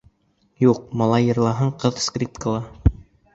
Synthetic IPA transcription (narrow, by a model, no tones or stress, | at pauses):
juq̚mɑlˠɑjɤ̆ɾlˠɑɦɤɴqɤðskrʲip̚t̪kəlˠɑ